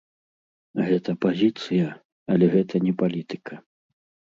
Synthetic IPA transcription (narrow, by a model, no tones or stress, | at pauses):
ɣɛt̪ɐpazʲit̪sɨjɐ | ɐlʲɛɣɛt̪ɐnʲɛpalʲit̪ɨ̥kʰɐ